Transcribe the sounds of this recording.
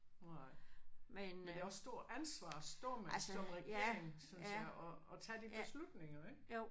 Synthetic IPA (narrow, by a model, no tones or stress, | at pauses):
onɑɪmendeɒ̽sːd̥o̝ɐ̰ænsʋɑ̰̈ːsd̥o̰ɐ̰mesɒ̽mʁɛɡe̝ɐ̰eŋsɔnɑʔɒːt͡sʰɛːd̥ibe̝slud̥ne̝ŋɐeɡ̥o